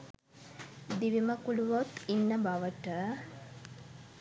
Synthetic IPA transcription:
d̪iʋiməkuluʋot̪inːəbaʋəʈə

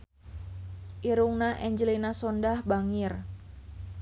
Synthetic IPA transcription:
ʔiɾuŋnaʔɛɲd͡ʒəlinasɔndahbaŋɪr

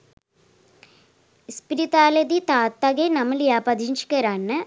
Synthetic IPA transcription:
spiɾit̪aːlɐd̪it̪aːt̪ːɐɡenɐmɐljaːpɐd̪int͡ʃi̥kɐɾaːnːɐ

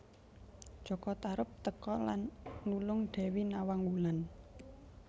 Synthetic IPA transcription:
d͡ʒ̥ɔ̤kɔt̪aɾəp̚t̪əkɔlanːulʊŋɖ̪̥ɛ̤winawaŋwulan

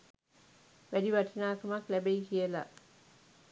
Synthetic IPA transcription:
ʋædiʋaʈinaːkɐmaklæbeikijəla̰

